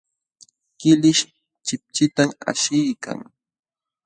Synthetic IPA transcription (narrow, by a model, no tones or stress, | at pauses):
kɪlɪʃ | t͡ʃɪp̚t͡ʃɪt̪ama̰ʃɪjka̰ŋ